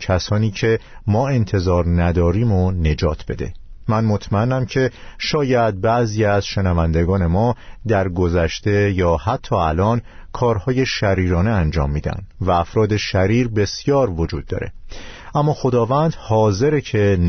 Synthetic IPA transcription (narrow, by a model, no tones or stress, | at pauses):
cʰæsɒːniːcʰe̞mɒːe̞nt̪ʰe̞zɒːɾnæd̪ɒːɾiːmone̞d͡ʒɒːt̪ʰb̥e̞d̪e̞̰mænmo̞t̪ʰmæenːæmcʰe̞ʃɒːjæd̪̚bæʔziːæzʃe̞nævænd̪e̞ɡɒːne̞mɒːd̪æɾɡo̞zæʃt̪e̞jɒːhæt̪ʰːɒːælɒːnkʰɒːɾhɒːje̞ʃæɾiːɾɒːneænd͡ʒɒ̰ːmːiːd̪æ̰nd̪̥væːfɾɒːd̪e̞ʃæɾiːɾbe̞sjɒːɾvo̞d͡ʒuːd̪̚ːɒ̰ːɾe̞̰ | ʔæmːɒːxo̞d̪ɒːvænd̪̥hɒːze̞ɾecʰe̞n